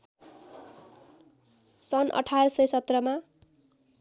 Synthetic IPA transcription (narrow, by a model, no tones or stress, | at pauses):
sʌnʔʌ̰ʈʰarʌsʌjsʌt̪rʌma